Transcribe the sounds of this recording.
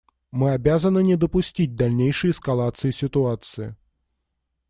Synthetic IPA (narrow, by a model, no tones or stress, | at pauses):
mɨabʲazɐnɨnʲɛd̪ɔpʊsʲtʲidʲd̪alʲnʲejʂɨjɛskalˠat̪sɨjisʲɪt̪ʊat̪sɨjḭ